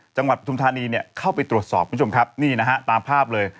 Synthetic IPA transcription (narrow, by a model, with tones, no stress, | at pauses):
t͡ɕa˧ŋwa˨˩t̪̚a˧t̪u˧mt̪ʰaː˧niː˧ni˥˩əkʰa˥˩wpa˧jt̪ɾu˨˩t̪sɔː˨˩p̚ku˦˥˦o˧mkʰa˦˥p̚niː˥˩na˦˥kʰa˦˥t̪aː˧mpʰaː˥˩p̚lɤː˧j